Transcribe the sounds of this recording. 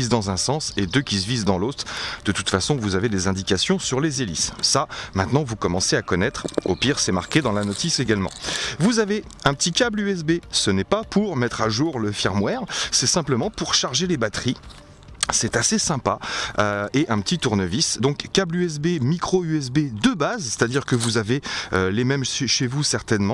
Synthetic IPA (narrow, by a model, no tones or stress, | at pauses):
izd̪ɑ̃zɛ̃sɑ̃sed̪økʲisvizd̪ɑ̃lot̪χd̪̥ət̪u̥t̪fasɔ̃vuzaved̪ezɛ̃d̪ikʲasjɔ̃syʁlezelḭsːamɛ̃t̪nɑ̃vukɔmɑ̃seakɔnɛt̪χo̰piʁsɛma̰ʁkʲed̪ɑ̃lanɔt̪iseɡʲalmɑ̰̃vuzave | ɛ̃pət̪ikʲablyɛs̬besənɛpapuʁmɛt̪χaʒuʁləfjɛʁmwɛʁsɛsɛ̃pləmɑ̃puʁʃaʁʒelebat̪χi | sɛt̪asesɛ̃paøeʔɛ̃pət̪it̪uʁnəvisd̪ɔ̃kːablyɛs̬bemikχoyɛs̬bed̪əbazsɛ̥t̪ad̪iʁkəvuzaveølemɛmʃeʃevusɛʁt̪ɛnmɑ̃